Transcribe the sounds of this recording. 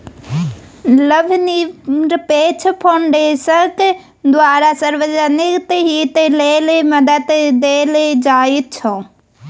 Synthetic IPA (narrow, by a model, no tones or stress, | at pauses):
ləbʱniɾpet͡ʃʰpʰaɳɖesək | d̪ʋaɾasəɾbəd͡ʒənikt̪ɦit̪eleleməd̪ət̪d̪eled͡ʒait̪̚t͡ʃʰə̃